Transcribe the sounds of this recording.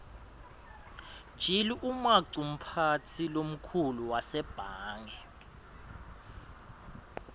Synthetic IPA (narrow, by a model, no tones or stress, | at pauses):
d̥ʒ̥ʱiliʔumaǀum̩pʰatʰilom̩kʰuluwasɛb̥ʱaːŋɛ